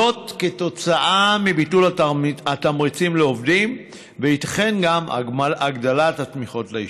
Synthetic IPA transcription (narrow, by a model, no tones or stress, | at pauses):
o̞tketo̞t͡saʔamibitulatamʁit͡simleo̞vdim | veit̪ḁχe̞nɡamaɡdalatatmiχo̞tlei